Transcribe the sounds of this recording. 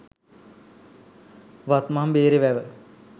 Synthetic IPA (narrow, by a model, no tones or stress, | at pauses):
ʋat̪mambeːɾeʋæʋə